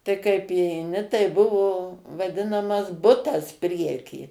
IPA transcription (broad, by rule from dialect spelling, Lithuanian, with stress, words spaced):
tɐɪ kɐɪp iːɛɪˈnʲɪ tɐɪ ˈbʊʋoː ʋɐˈdʲɪnɐmɐs ˈbʊtɐs ˈpʲrʲiɛkʲiː